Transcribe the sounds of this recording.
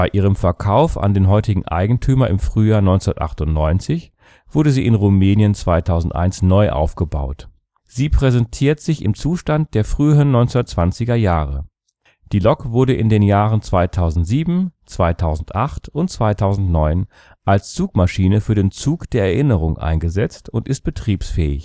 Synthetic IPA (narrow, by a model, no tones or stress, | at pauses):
b̥aɪʔiːʁ̞əmfɛɐkʰaʊfa̰ndeːnɦɔʏtɪɡŋ̩ʔa̰ɪɡŋ̩tʰyːmɐʔɪmfʁ̥yːjaːɐnɔʏnt͡sʊndɐtʔa̰χtʊntnɔʏnt͡sɪç | v̥ʊɐɾəziːʔɪnʁumɛːnjənt͡sv̥aɪtʰaʊzn̩tʔa̰ɪnsnɔʏʔa̰ʊfɡ̥əba̰ʊt | z̥iːpʁ̥ɛzɛntʰiːɐtz̥ɪçɪ̰mt͡suːʃtant̚d̥eːɐfʁ̥yːəʁənːɔʏnt͡snɐtt͡sv̥ant͡sɪɡɐjaːʁə | d̥iːlɔkvʊɐɾəʔɪndeːnjaːʁənt͡sv̥aɪtʰaʊzn̩tz̥iːbm̩t͡sv̥aɪtʰaʊzn̩tʔaχtʊntt͡sv̥aɪtʰaʊzn̩tnɔʏn | ʔalst͡suːkmaʃiːnəfyːɐdeːnt͡suːkd̥eːɐɛɐʔɪnəʁ̞ʊŋʔa̰ɪnɡəzɛt͡stʊntʔɪst̚b̥ətʁ̥iːpsfɛ̰ːɪç